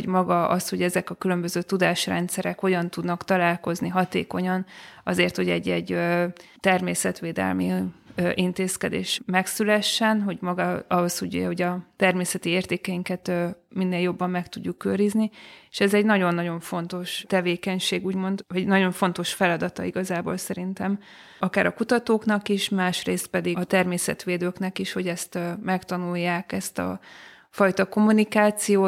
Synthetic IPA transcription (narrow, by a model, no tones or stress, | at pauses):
ɟmɒɡɒɒ̰sho̞ɟɛzɛkɒkylømbøzøːt̪ud̪aːʃrɛ̰nt̪sɛɾɛkho̞ɟɒnt̪ud̪nɒkt̪ɒlaːlko̞zniɦɒt̪ḛːko̞ɲɒnɒzeːrt̪ho̞ɟɛɟːɛɟːt̪ɛrmeːsɛt̪ʋeːd̪ɛ̰lmiøʔint̪eːskɛd̪ḛːʃmɛksylɛʃːɛnɦo̞ɟmɒɡɒɒɦo̞sho̞ɟho̞ɟɒt̪ɛrmeːsɛt̪ieːrt̪eːkɛjiŋkɛt̪ː | minːeːljo̞bːɒmːɛkt̪uɟːukːøɾiznieʃɛzɛɟnɒɟo̞nːɒɟo̞ɱfo̞n̪t̪o̞ʃt̪ɛveːkɛɲʃeːɡuːɟmo̞nd̪hoɟnɒɟo̞ɱfo̞nt̪o̞ʃfɛlɒd̪ɒt̪ɒ̰iɡɒzaːbo̰ːlsɛɾint̪ɛm | ɒkaːɾɒkut̪ɒt̪oːknɒkiʃmaːʃreːst̪̚pɛd̪iɒt̪ɛrmeːsɛ̰t̪ʋeːd̪øːknɛkiʃho̞ɟɛst̪mɛkt̪ɒnujːaːkɛst̪ɒ̰ | fɒjt̪ɒko̞munikaːt̪sijoː